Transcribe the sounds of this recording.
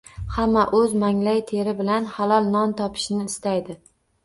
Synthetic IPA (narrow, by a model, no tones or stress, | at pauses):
hamːaʔɵzmaŋlajt̪ʰeɾɪbɪlanhalˠɒlˠnɒnt̪ʰɒpʰɪ̥ʃnɪːst̪ajd̪ɪ